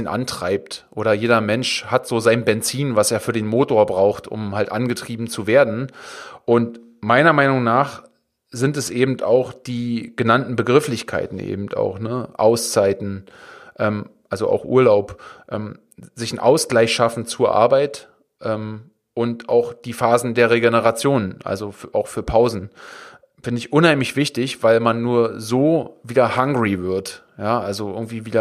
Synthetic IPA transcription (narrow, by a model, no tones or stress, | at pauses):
nʔa̰ntʁ̥aɪp̚tʔoːɾɐjeːɾɐmɛnʃhatz̥oːzaɪnbɛnt͡siːnvaseːɐfyːɐdeːnmoːtoːɐbʁaʊxtʊ̰mhaltʔanɡətʁ̥iːbm̩t͡suveːɐdn̩ʔʊnt | maɪnɐmaɪnʊŋnaːχ | z̥ɪntɛsʔeːbm̩ta̰ʊxd̥iːɡ̥ənantn̩bəɡʁɪflɪçkʰa̰ɪtn̩ʔḛːbm̩ta̰ʊxnəʔa̰ʊst͡saɪtn̩ʔɛːmʔalzoʔa̰ʊxʔṵːɐlaʊpʔɛ̰ːm | zɪçn̩ʔa̰ʊsɡ̥laɪçʃafn̩t͡suːɐʔa̰ɐbaɪt | ʔɛːm | ʔʊntʔa̰ʊxd̥iːfaːzn̩deːɐʁeɡenəʁat͡sjoːnənʔa̰lzofʔa̰ʊxfyːɐpʰaʊzn̩ | fɪndəɪçʔʊnhaɪmlɪçv̥ɪçtɪçv̥aɪlmanːuːɐzoːviːdɐhaŋɡʁivɪɐt | jaːʔalzoʔɪɡŋ̩tv̥iːviːdɐ